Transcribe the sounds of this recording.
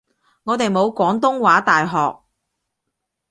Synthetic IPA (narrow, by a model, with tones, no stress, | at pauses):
ŋɔː˨˧t̪e˨jmo˨˧wkʷɔː˨˥ŋt̪ʊ˥ŋwaː˨˥t̪aː˨jɦɔː˨k̚